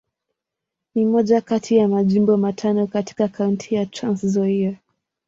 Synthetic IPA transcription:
nimɔʄakatʰijamaʄimbɔmatʰanɔkati̥kakauntʰijatɾanszɔia

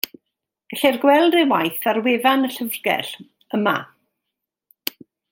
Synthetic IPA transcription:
ɡ̥aɬɛrɡwɛlˠdɪwajθarweːvanəɬəvrɡɛ̰ɬ | əma̰

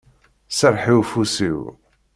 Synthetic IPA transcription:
səɾˤħiwfusiw

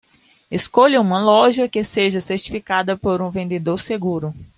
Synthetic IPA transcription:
eskoʎɐũmɐlɔʒɐkeseʒɐseɾt͡ʃi̥fikad̪ɐpoɾũvẽnd̪ed̪oɾseɡuɾʊ

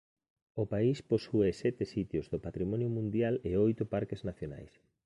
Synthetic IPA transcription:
opaisposuesɛt̪ɪsit̪jozðopat̪ɾimɔnjʊmũnd̪jalɪojt̪ʊpaɾkeznaθjona̰js

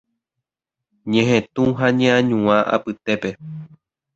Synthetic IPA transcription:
ɲẽɦẽt̪ũɦaɲẽãɲũãʔa̰pɨt̪e̞pe

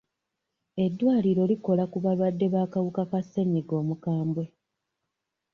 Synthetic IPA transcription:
e̞dːwaːliɾo̞ːliko̞lakuβaβadːe̞βaːkawukakase̞ɲiɡo̞ːmukaːmbwe̞

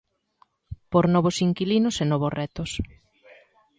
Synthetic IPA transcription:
poɾnɔβ̞osiŋkilinʊsenɔβosrɛt̪os

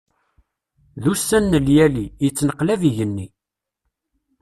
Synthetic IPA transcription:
ðusːænːəljælijət͡sːnəqlæviʝənːi

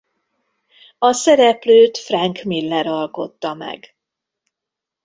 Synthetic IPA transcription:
ɒsɛɾɛpløːt̪frɛŋkmilːɛɾɒlko̞t̪ːɒmɛ̰ɡ

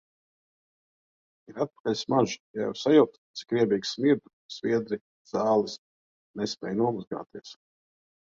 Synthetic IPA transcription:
iɾat̪̚pḁkalʲsmaʒja̰jɛ̰wsajuwt̪t̪si̥kɾiɛbiːɡsmiɾd̪u | sviɛd̪ɾi | zɑːlˠis | nespʲɛ̰ːjnuɔmuzɡa̰ːt̪iɛs

